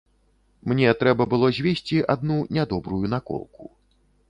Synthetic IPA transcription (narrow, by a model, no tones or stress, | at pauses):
mnʲɛt̪ɾɛbɐbɨlˠɔzʲvʲesʲt͡sʲiʔad̪nunʲad̪ɔbɾujun̪akɔ̰lˠku